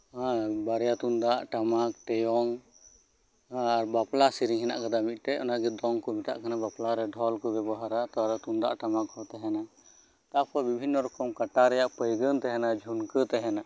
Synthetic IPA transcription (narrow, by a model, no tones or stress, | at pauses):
ãbaɾɛjat̪und̪aʔʈamak̚ʈɛjɔŋ | aɾbaplasiɾiŋɦɛna̰ʔkad̪amit̪̚ˀʈɛɔnaɡɛd̪ɔŋkɔmit̪a̰ʔkanabaplaɾɛɖʱɔlkɔɡɛbaɦaɾat̪ɔɾɛt̪und̪a̰ʔʈamakɦɔt̪ɛɦɛna | t̪apɔbibʱinːɔɾɔkɔmkaʈaɾɛjaʔpəjɡənt̪ɛɦɛnad͡ʒʱunkət̪ɛɦɛna